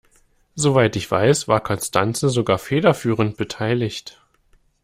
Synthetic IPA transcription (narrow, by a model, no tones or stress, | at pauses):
zovaɪtɪçv̥a̰ɪsv̥aːɐkʰɔnstʰant͡səzoɡaːɐfeːdɐfyːʁ̞ənt̚b̥ətʰaɪlɪçt